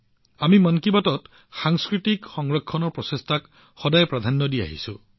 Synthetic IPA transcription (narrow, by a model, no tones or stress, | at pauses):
amimɔnkibatɔt | xaŋskɹitikxɔŋɹɔkʰːɔnɔɹpɹɔsestʰak | xɔdajpɹad̪ʱanːɔdia̰ɦḭsu